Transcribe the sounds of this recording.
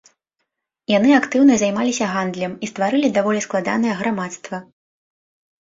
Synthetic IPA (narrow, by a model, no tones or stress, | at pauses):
janɨakt̪ɨwnɐzʲajmalʲisʲɐɣand̪lʲɐmist̪vaɾɨlʲid̪avɔlʲisklˠad̪a̰n̪ɐjɛɣɾamat̪st̪vɐ